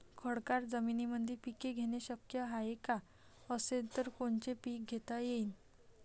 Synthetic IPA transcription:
kʰəɽkaɾd͡zəminiməd̪ʱipikeɡʱeɽ̃eɕəkjəɦaeka | əset̪əɾkoɳt͡ɕepiːk̚ɡʱet̪ajein

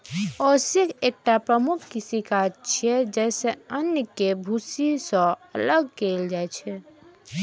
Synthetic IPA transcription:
ɔɾsikʰek̚ʈapɾəmukʰkisikad͡ʒt͡ʃʰiɛd͡ʒɛseənjəkebʱusisɔ̃ələɡkeld͡ʒajt͡ʃʰɛ

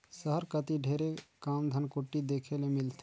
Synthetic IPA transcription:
səɦəɾkət̪iɖʱeːɾekaːmd̪ʱənkoʈːid̪eːkʰelemɪlt̪ʰe

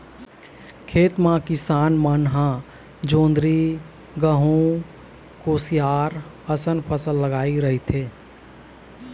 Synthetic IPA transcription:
kʰeːt̪mãkɪsaːnmənɦã | d͡ʒõːnd̪ɾi | ɡəɦũ | koːsijaːɾ | əsənpʰəsəlːəɡaːiɾəɦit̪ʰeː

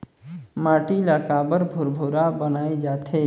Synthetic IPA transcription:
maʈiləkabəɾbʱuɾbʱoɾabənajd͡ʒat̪ʰe

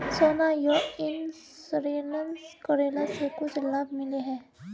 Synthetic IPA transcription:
soːnajoɪnssɾiːlənskɔɾeːlasekʊt͡ʃʰlab̚mɪleɦɛ̃ː

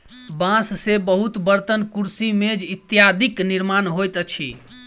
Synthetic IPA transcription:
bãsːebəɦut̪bəɾt̪ənkuɾsimed͡ʒit̪ːjad̪ʱikniɾmanɦojt̪ət͡ʃʰḭ

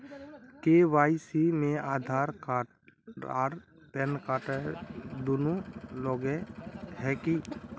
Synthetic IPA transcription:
kewaːɪsimẽaːd̪ʱaːɾka | aɾ | pɛnkaːʈəd̪onulɔːɡɛhɛki

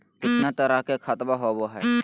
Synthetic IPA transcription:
kɪt̪nat̪əɾakekʰaːt̪baɦoːboɦɛ̰ː

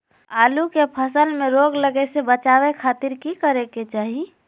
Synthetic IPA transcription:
aːlukepʰəsəlmeɾoɡləɡesebət͡ʃaːwekʰaːt̪iɾkikəɾeket͡ʃaːɦi

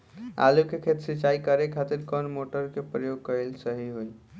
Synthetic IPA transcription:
a̰lukekʰet̪sit͡ʃaikəɾekʰat̪iɾkɔnmoʈəɾkepɾəjoɡ̚kəelsəɦiɦoj

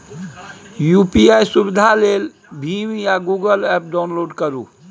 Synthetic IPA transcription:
jupiajsubid̪ʱalel | bʱimijaɡuɡəlɛp̚ɖaʊnloɖkəɾṵ

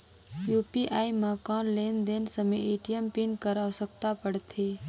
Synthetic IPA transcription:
juːpiʔaːimaːkãːnleːnd̪eːnsəmeeːʈijəmpinkəɾasək̚t̪apəɽt̪ʰeː

